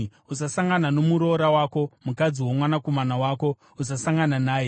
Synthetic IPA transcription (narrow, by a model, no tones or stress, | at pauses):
usasaŋɡanano̞muɾo̞ɾawaːko̞mukad͡ziwo̞mwanakomanawaːko̞ | us̬asaŋɡananaːje